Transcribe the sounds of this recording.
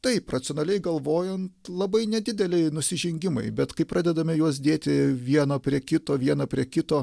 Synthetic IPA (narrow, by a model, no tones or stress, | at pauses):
t̪ɐɪprɐt͡s̪ʲonɐlʲɛɪɡɐlˠʋoːjɛnt̪lˠɐbɐɪnʲɛd̪ʲɪd̪ʲɛlʲɛɪnʊsʲɪʒʲɪŋʲɡʲɪmɐ̰ɪbʲɛt̪kɐɪpɾɑːd̪ʲɛd̪ɐmʲɪjuɔs̬d̪ʲeːt̪ʲɪʋʲiɛnoːpʲɾʲiɛkʲɪt̪oːʋʲiɛnɐːpʲɾʲiɛkʲɪt̪oː